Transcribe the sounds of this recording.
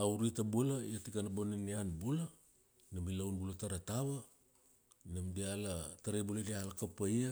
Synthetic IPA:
auɾitabulaiatikanaboninianbula | namilawnbulataɾataβa | namdialataɾejbuladialakapaja

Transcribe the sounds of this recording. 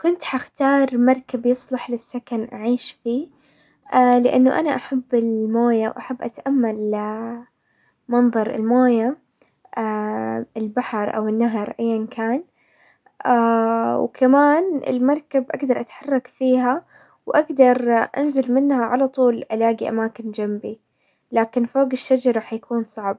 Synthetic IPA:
kʊnt̪ħaxt̪ɑːɾˤmɑɾˤkabjɨsˤlɑħlɪsːakanʔaʕiːʃfiː | alɪʔɪ̰nːʊʔanaʔaħabːɪlmoːjawʔaħabːʔat̪ʔamːal | mɑnðˤɑɾˤɪ̰lmoːja | ʔaɪlbaħɾˤʔa̰wɪnːaɦɑɾʔajːankʰaːn | ʔawkʰamaːnɪ̰lmɑɾˤkabʔaɡd̪ɑɾˤʔat̪ħɑrˤːɑkfiːɦa | wʔaɡd̪ɑɾˤʔa̰nzɪlmɪnhaʕalɑt̪ˤuːlʕɪlaːɡiʔa̰maːkɪnd͡ʒambi | laːkɪnfoːɡɪʃːad͡ʒɑɾˤɑħjakuːnsˤɑʕb̚

